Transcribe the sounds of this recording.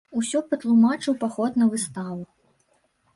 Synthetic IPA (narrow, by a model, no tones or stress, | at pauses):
usʲɔpɐt̪lˠumat͡ʂɨwpaxɔt̪nɐvɨst̪avu